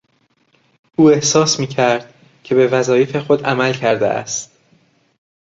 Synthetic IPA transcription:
ʔuːe̞hsɒːsmiːcʰæɾd̪̥̚ | cʰe̞be̞væzɒːjefe̞xo̞d̪æmælcʰæɾd̪ḛʔæ̰st̪

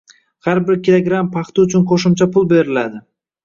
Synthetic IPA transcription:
haɾbɪɾkʲʰilˠoɡɾampʰɑχt̪ɪʊt͡ʃʰʊnqʰoʃɪmt͡ʃʰapʰʊlˠbe̞ɾɪlad̪ɪ

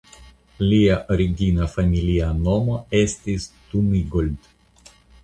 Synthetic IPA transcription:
liaʔoɾiɡinafamiliano̞mo̞e̞stistumiɡold

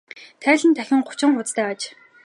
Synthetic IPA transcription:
t̪ʰæːɮɘ̆nt̪ʰæxʲɪ̆ŋχʊ̥t͡ɕɪ̆ŋχʊt͡st̪ʰæːat͡ɕ

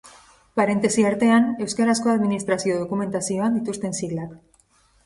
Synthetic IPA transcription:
paɾe̞nt̪e̞siaɾt̪e̞ane̞wskaɾasko̞aðminist̪ɾasio̞ðo̞kume̞nt̪asio̞and̪it̪ust̪e̞nsiɣlak

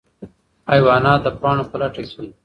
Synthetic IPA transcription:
ɑjwɑnɑd̪əpɑɳopəlaʈakwi

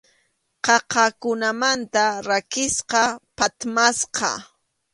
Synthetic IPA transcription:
qɑqɑkʊnamant̪aɾakɪsqɑpat̪masqɑ̰

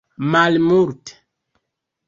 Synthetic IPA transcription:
malmuɾt

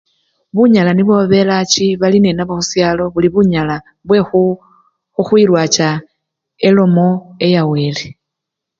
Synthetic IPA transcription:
βuɲalaniβwo̞βe̞lat͡ʃiβaline̞naβoxusjaːlo̞βuliβuɲala | βwe̞xu | xuxwiɾwaːt͡ʃa | elo̞mo̞e̞jawe̞ːle

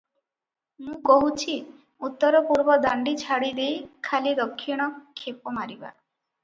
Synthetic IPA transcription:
mũkɔɦut͡ʃʰi | ut̪ːɔɾɔpuɾbɔd̪aɳɖit͡ʃʰaɽid̪ejkʰalid̪ɔkʰːiɽ̃ɔkʰepɔmaɾiba̰

